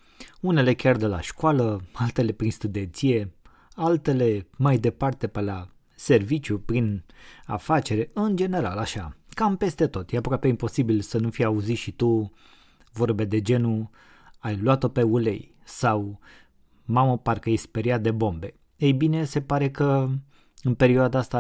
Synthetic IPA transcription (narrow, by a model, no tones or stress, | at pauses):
une̞le̞kʲard̪ela̰ʃkwaləalt̪e̞le̞pɾinst̪ud̪e̞nt̪sije̞ | alt̪e̞le̞majd̪e̞part̪e̞pela | se̞rvit͡ʃjupɾina̰fat͡ʃe̞ɾeɨnd͡ʒe̞ne̞ɾalaʃakampe̞st̪e̞t̪o̞t̪jeapokapeimpo̞sibilsənufijauzit̪ʃit̪u | vo̞rbed̪e̞d͡ʒe̞nu | ajlwat̪o̞pe̞ule̞̰j | saw | maməpaɾkəjesspeɾiat̪̚d̪e̞bo̞mbe̞ | ejbine̞se̞paɾe̞kə | ɨnpe̞ɾioad̪aast̪a